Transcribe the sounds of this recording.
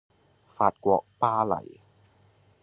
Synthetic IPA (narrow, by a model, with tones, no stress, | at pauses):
faː˨˩t̪̚kwɔ˨˩˦k̚paː˧la̰˨˩˦j